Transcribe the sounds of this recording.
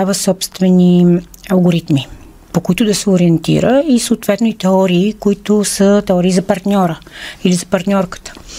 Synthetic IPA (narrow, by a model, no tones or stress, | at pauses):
avəsɔpst̪vɛni | ɐlˠɡoɾit̪mi | pokoit̪ʊd̪ɐsɛoɾiɛnt̪ḭɾəisoːt̪vɛt̪noit̪ɛɔɾiːkoit̪osət̪ɛɔɾiːzɐpɐɾt̪nʲɔɾəilizɐpɐɾt̪nʲɔɾkə̥t̪ə̥